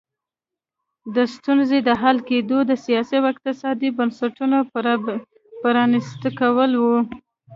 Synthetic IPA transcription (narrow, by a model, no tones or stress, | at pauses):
d̪əst̪unzed̪əɦalked̪od̪əsijɑsiawɪk̚t̪ɪsɑd̪ibənsaʈuno | pəɾɑnist̪əkawəlwu